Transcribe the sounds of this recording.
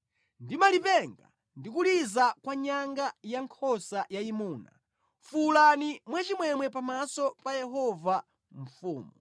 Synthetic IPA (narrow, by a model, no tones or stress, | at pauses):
ndimalipɛŋɡa̰ | ndikulizakwaɲaŋɡajaŋkʰɔsajaimuːna̰ | fulanimwat͡ʃimwɛmwɛpamasɔpajɛɦɔva | ɱ̩fuːmu